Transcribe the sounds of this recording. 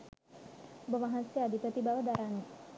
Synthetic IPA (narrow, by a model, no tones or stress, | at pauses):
bəmaɦansjaaːd̪ipət̪ibaʋəd̪aɾani